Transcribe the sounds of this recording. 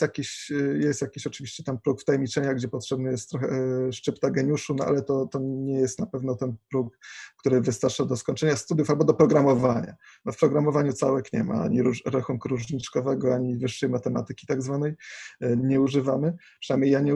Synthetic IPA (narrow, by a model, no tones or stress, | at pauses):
jakʲiɕjɛst̪jakʲiɕɔt͡ʂɘvʲiɕt͡ɕɛt̪ampɾukft̪ajɛmʲit͡ʂɛɲaɡd͡ʑɛpɔtʂɛbnɘjɛst̪ːɾɔxɛʂt͡ʂɘpt̪aɡɛɲuʂunɔʔa̰lɛt̪ɔt̪ɔɲɛjɛst̪napɛvnɔt̪ɛnpɾukkt̪uɾɘvɘst̪aɾt͡ʂad̪ɔskɔɲt͡ʂɛɲast̪ud̪jufalbɔd̪ɔpɾɔɡɾamɔvaɲa̰b̪ɔfpɾɔɡɾamɔvaɲut̪sawɛkɲɛ̰ma̰a̰ɲiɾuɾaxunkuɾuʐɲit͡ʂkɔvɛɡɔaɲivɘʂːɛjmat̪ɛma̰t̪ɘkʲi̥t̪aɡzvanɛjɲɛuʐɘvamɘpʂɛnajmɲejaɲɛ